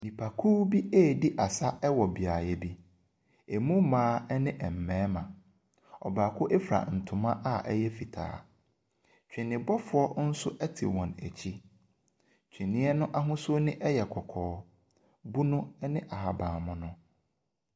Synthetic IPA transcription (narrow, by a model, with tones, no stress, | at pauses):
nĩ˨pʰa˨kʰu˦bi˦eː˦˨di˦ʔa˨sa˦ɛ˦wɔ˨bi˨a˨jɛ˦bi˦ | e˨mũ˦mãː˨˦ɛ˦nɪ̃˦ʔɛ˨m̩˨mɛ̃ː˦mã˨ | ɔ̰˨baː˨kʰʊ˦ʔe˦fɾa̰˨n̩˨tʰʊ̃˨mã˦ʔa˦ɛ˦jɛ˦fi˨tʰa̰ː˨˦ | t͡ɕᶣɪ̃˨nɪ̃˨bɔ˦fʊ˨˦ɔ˦n̩˦sʊ˦ʔɛ˦tʰḭ˨wɔ̃˨næ̰˨t͡ɕʰi˦ | t͡ɕᶣi˨nɪ̃˦ɛ˦nʊ̃˦ʔa˦ɦʊ̃˦sʊ˦nɪ̃˦ʔɛ˦jɛ˨kʰɔ˨kʰɔː˨˦ | bu˦nʊ̃˦ɛ˦nɪ̃˦ʔa˨ɦa˨bãː˨mʊ̃˦nʊ̃˦